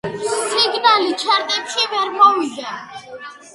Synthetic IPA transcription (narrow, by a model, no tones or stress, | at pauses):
siɡnalit͡ʃʰaɾt̪ʼip̪ʃivɛɾmɔvid̪a